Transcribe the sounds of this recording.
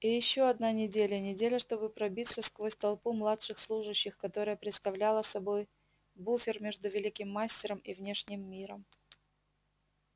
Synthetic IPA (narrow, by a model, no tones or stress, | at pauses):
ijɪɕːo̞ɐd̪nanʲɪdʲelʲənʲɪdʲelʲəʂt̪o̞bɨpɾɐbʲit̪səskvo̞sʲt̪ɐlˠpumlˠatʂɨxslˠuʐɨɕːɪxkɐt̪o̞ɾəjəpɾʲɪt̪st̪ɐvlʲalˠəsɐbo̞j | bufʲɪrmʲe̞ʐd̪ʊvʲɪlʲikʲɪmːasʲtʲɪɾəmivnʲe̞ʂnʲɪmːʲiɾəm